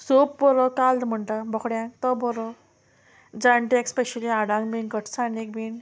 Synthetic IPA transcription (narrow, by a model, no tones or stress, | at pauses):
sop̚bɔɾɔkald̪m̤əɳʈ̪abɔkɽjãkt̪ɔbɔɾɔ | d͡zaɳʈekspeɕəliaɽãŋɡbinkəʈʰsanek̚bin